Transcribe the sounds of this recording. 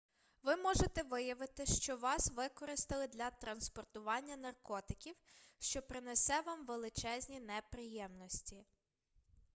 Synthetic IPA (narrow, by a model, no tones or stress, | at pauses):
ʋɪmɔʒet̪ɛʋɪjɐʋɪt̪ɪʃt͡ʃɔʋɑsʋɪkɔɾɪst̪ɪlˠɪd̪lʲɐt̪ɾɐnspɔrt̪ʊʋɑnʲːɐnɐrkɔt̪ɪ̥kʲiwʃt͡ʃɔpɾɪnɛsɛʋɑmʋelˠɪt͡ʃɛzʲnʲinɛpɾɪjɛmnɔsʲtʲi